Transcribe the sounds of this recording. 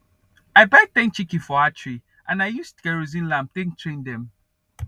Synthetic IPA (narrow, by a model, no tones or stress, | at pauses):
aɪbaɪd̚θɛ̃ŋk̚t͡ʃikifɔatʰɹi | ʔãnaɪjustɡɛɹozĩnlãmp̚tɛ̃ŋ̚tʰɹẽndɛ̃m